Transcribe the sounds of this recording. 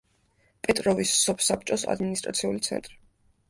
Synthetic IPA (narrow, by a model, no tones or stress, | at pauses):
pʼɛt̪ʼɾɔvisːɔpʰsap̚t͡ʃʼɔsa̰d̪minist̪ʼɾʔa̰t̪sʰiulit̪sʰɛ̰nt̪ʼɾi